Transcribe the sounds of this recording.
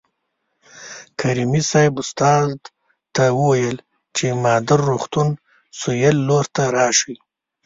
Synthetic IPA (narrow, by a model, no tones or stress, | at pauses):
kʰaɾimisajɪbʊst̪ɑd̪ | t̪awəwajəl | t͡ʃemɑd̪ɪɾːuxt̪un | sujalːoɾt̪aɾɑʃi